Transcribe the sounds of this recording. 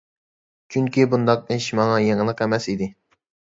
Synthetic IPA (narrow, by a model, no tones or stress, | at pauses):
t͡ʃʰyŋkʲibund̪ɑq̚ɪʃmɑŋɑjeŋlˠəqɛmɛsid̪ɪ